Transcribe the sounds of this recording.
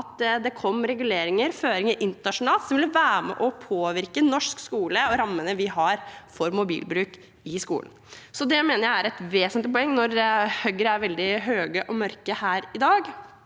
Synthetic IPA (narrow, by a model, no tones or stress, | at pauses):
ɑt̪d̪ɛkʰɔmːɾɛɡʉleːɾɪŋəɾføːɾɪŋəɾʔɪnt̪əɾnɑʂʊnɑːlsɔmʋɪlʋæːɾmɛ̰ʔɔpʰoːʋɪɾkənɔʂkskuːləɔɾɑmːənəʋɪɦɑɾfɔɾmʊbḭːlbɾʉːk | ɪskṵːln̩ | sɔd̪ɛmeːnəɾjæɪæɾɛt̪ʋeːsənt̪lɪpɔɛŋːnɔɾhœɡəɾəæɾʋɛld̪ɪɦøːɡəʔɔmœɾkəhæːɾɪd̪ɑːɡ